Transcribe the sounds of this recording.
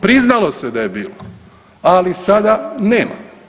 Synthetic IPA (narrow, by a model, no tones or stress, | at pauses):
pɾiznalo̞sed̪ajebiːlo | alisad̪aneːma̰